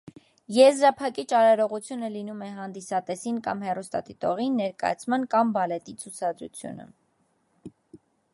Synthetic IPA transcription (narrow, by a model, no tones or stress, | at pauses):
jɛzɾɑpʰɑkit͡ʃɑɾɑɾɔʁut͡sʰjunəlinumɛɦɑnd̪isɑt̪ɛsinkɑmhɛrust̪ɑ̰t̪it̪ɔʁinːɛɾkɑ̰jɑ̰t͡sʰmɑnkɑmbɑlɛt̪it͡sʰut͡sʰɑd̪ɾṵt͡sʰjṵnə̰